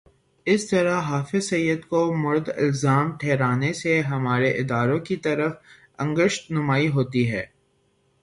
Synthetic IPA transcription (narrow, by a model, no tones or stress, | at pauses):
ɪst̪ɐɾaɦaːfɪzsɐjːəd̪komʊɾd̪ɪ̰lzaːmʈʰeːɾaːneseɦɐmaːɾeʔɪd̪aːɾõkit̪ɐɾəf | ɐ̰̃ŋɡəʃt̪nʊmaːiɦoːt̪iɦɛː